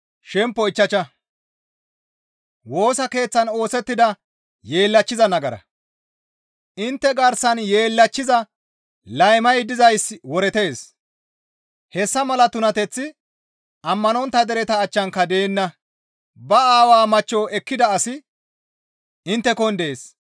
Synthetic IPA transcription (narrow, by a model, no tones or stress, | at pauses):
ʃɛmpːɔɪt͡ʃːɐt͡ʃːɐ | wo̞ːsɐke̞ːt͡sːɐno̞ːsɛt̪ːɪd̪ɐ | je̞ːlːɐt͡ʃːɪzɐnɐɡɐɾɐ̰ | ʔɪnt̪ːɛɡɐɾsɐnjeːlːɐt͡ʃːɪzɐ | lɐjmɐjd̪ɪzɐjswɔɾɛt̪e̞ːs | hɛsːɐmɐlɐt̪ʊnɐt̪ɛt͡sːɪ | ʔɐmːɐnɔnt̪ːɐd̪ɛɾɛt̪ɐːt͡ʃːɐŋkɐd̪e̞ːnːɐ | bɐaːwaːmɐt͡ʃːɔːʔɛkːɪd̪ɐːsɪ | ʔɪnt̪ːɛkɔnd̪eːs